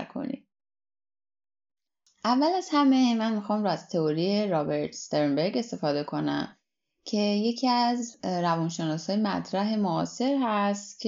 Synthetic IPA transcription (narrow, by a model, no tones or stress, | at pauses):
ɾkʰo̰nḭ̥ | ʔævːælæz̥hæme̞mænmixɒːmɾɔːæz̥t̪ʰeoɾieɾɒːbe̞ɾt̪ʰst̪eɾmbe̞ɾɡe̞st̪e̞fɒːd̪e̞kʰo̞næ̰m | cʰe̞je̞cʰiæzɾævɒnʃe̞nɒːsɒːjemæ̰t̪ʰɾæɦe̞mo̰ːse̞ɾɦæst̪cʰ